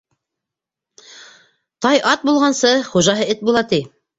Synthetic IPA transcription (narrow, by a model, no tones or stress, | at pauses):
t̪ɑjʔɑt̪̚bulˠʁɑnsɤχuʒɑɦɤɘt̪̚bulˠɑt̪i